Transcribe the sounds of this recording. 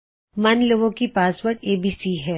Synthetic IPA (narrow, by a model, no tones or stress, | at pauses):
mɐnloːɡõkipaːsʋəɾɖeːbiːsiɦɛː